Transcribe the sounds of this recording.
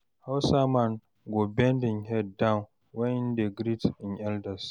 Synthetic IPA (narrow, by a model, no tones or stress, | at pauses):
hawsaman | ɡobɛndɪ̃ŋhɛdːãwn | wɛnɪndeɡɾitɪ̃nʔɛldɐs